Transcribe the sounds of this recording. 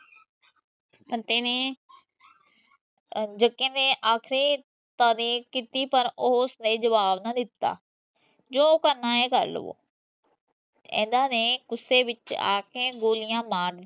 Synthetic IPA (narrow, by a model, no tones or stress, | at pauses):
pənt̪eːneː | d͡ʒəkːẽːnẽːʔaːkʰɾiː | t̪aːɾiːkkit̪iːpəɾʊsnẽːd͡ʒəʋaːbnad̪ɪt̪ːa̰ː | d͡ʒoːkənːãːeːkə̰ɾlə̰ʋo̰ː | ɛ̰̃ːnd̪ãːnẽːkʊsːeːʋɪt͡ʃa̰ːkeːɡoːlɪjãːmaːʈ̪